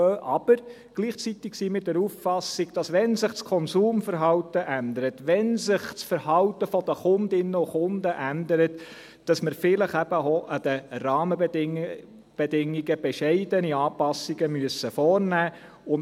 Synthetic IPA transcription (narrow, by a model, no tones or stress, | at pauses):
øːʔɑb̥əɾ | ɡ̥liːχt͡sit̪ɪksiːmɪtdɛɾuffɑsɪɡ̥d̥ɑsʋɛnsɪχt͡skʰɔnsuːmfəɾɦɑwtəʔænd̪əɾətʋɛnsɪχt͡sfəɾhɑwtəfɔd̥̪əχʊnd̪ɪnːəʊχʊnd̪əʔændəɾət | d̥ɑsməɾfɪləχæb̥əoʔɑd̪̥ərɑːmə | b̥ɛdɪŋːiɡəb̥ɛʃɛɪdəniɑːpɑsiɡ̥əmyəsəfɔːɾnæː | ʊn